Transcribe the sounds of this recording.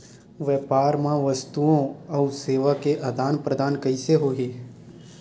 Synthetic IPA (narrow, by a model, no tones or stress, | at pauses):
ʋɛːpaːɾmãʋɐst̪uõɔːseːʋakeʔɐd̪aːnpɾəd̪aːnkɐiseɦoːɡeː